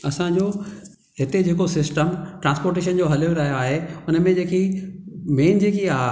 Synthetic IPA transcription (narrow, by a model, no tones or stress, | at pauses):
ɐsãd͡ʑoː | ɦɪt̪ed͡ʑeːkosɪsʈəmʈɾãːspoːɾʈeːʃ̬ənd͡ʑoɦɐloɾɐɦijoaːɦeʊnəmẽd͡ʑeːki | meːnd͡ʑeːkiaː